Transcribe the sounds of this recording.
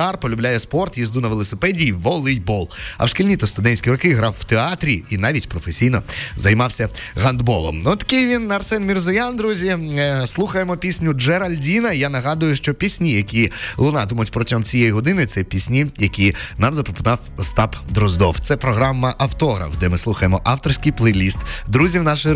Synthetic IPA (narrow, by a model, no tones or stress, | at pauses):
ɑrpɔlʲʊblʲajɛspɔrt̪jizd̪unɐʋelˠɔsepɛdʲijːʋɔlˠɪjbɔlˠɐ̰wʃkilʲnʲit̪ɔst̪ʊd̪ɛnʲsʲkʲiɾɔkɪɦɾɑwwt̪eɑt̪ɾʲiinɑʋʲitʲpɾɔfesʲijnɔzɐjmɑwsʲɐ | ɦɐnd̪bɔlˠɔ̰mnɔt̪ɐ̥kɪjʋʲinɐrsɛnmʲirzʊjand̪ɾuzʲislˠuxɐjemɔpʲisʲnʲʊd͡ʒɛɾɐlʲdʲinɐjanɐɦɑd̪ʊjʊʃt͡ʃɔpʲisʲnʲijɐkʲilˠʊnɑd̪ʊmɐtʲpɾɔtʲɔmt͡sʲijejiɦɔd̪ɪnɪt̪sɛpʲisʲnʲijɐkʲinɑmzɐpɾɔpʊnɑwst̪ɑpd̪ɾɔzd̪ɔwt̪sɛpɾɔɦɾɑmːɐʔɐwt̪ɔɦɾɐ̰wd̪ɛmɪslˠuxɐjemɔʔɑwt̪ɔrsʲkɪjplˠejlʲist̪d̪ɾuzʲiwnɑʃɪ